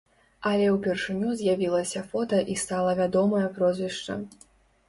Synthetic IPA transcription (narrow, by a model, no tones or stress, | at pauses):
ɐlʲɛwpʲɛrʂɨnʲuzʲjavʲilˠɐsʲɐfɔt̪ɐʔist̪alˠɐvʲad̪ɔmɐjɐpɾɔzʲvʲiʂt͡ʂɐ̰